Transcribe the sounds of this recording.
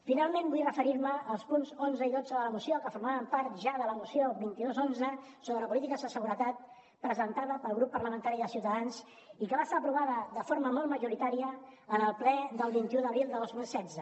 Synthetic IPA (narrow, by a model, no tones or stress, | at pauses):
finalˠmẽnbujrəfəɾiɾməːlˠspunzonzəiðodd͡zəðələmusiokəfuɾmaβəmpaɾt̪ʒaðələmusjoβint̪iðozonzə | soβɾələpulit̪ikəzðəsəɣuɾət̪at̪̚ | pɾəzənt̪aðəpəlˠɣɾupːəɾləmənt̪aɾiðəsiwt̪əðans | ikəβast̪aəpɾuβaðəðəfoɾməmɔlˠt̪məʒuɾit̪aɾiəːnəlˠplɛðəlˠβint̪iuðəβɾilˠd̪əðozmilˠsɛdd͡zə